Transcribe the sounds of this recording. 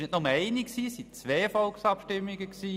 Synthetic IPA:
nɪtnɔməɛɪniksiːsit͡sʋɛːfɔlksɑpʃtɪmːiɡəksiː

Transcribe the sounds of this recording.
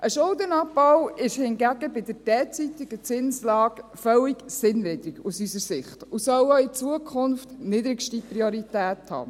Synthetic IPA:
ʔəʃʊlˠdənɑbɔwɪʃhɪnɡæɡəbɪdəd̥ɛːt͡sit̪ɪɡət͡sɪnslɑːɡ̥fœliɡsɪnlɪd̥̪ɾiɡusysəɾsɪχtusœwɔɪt͡suəkʰχʊnftnɪdɾɪɡʃtiprioɾitæːthɑ̰ː

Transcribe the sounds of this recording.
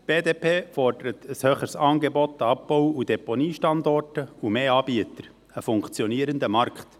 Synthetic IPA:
b̥eːdeːpʰeːfɔrdəɾət̪ʰəshøːχəɾsɑːnɡebɔt̪ːəɑp̚b̥owudeponiːʃtɑnd̪ɔrtəumeːɑːb̥iətəɾ | əfʊŋkt͡sjɔniəɾənd̪əmɑɾkχt̪

